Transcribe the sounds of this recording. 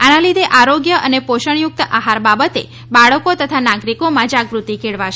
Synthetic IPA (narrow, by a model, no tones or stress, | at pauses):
analid̪ʱeʔaɾoɡjəʔənepoʃəɳ̃jʊk̚t̪əʔaɦaɾbabət̪e | baɭəkot̪ət̪ʰanaɡɾikomãd͡ʒaɡʋɾut̪ikʰeɭʋaʃ